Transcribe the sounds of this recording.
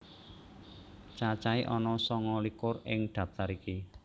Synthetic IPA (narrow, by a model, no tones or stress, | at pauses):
t͡ʃat͡ʃaiʔɔnɔsɔŋɔlikʊrɪŋɖ̪̥ä̤p̚t̪aɾiki